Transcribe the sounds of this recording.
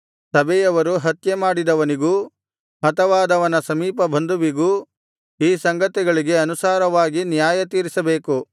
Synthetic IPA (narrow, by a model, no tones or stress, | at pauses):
sɐbɛjɐʋɐɾuɦɐt̪jemaːɽid̪ɐʋɐniɡuː | ɦɐt̪ɐʋaːd̪ɐʋɐnɐsɐmiːpɐbʱɐnd̪uʋiɡuː | iːsɐŋɡɐt̪iɡɐɭiɡe̞ɐnusaːɾɐʋaːɡinjaːjɐt̪iːɾisɐbeːku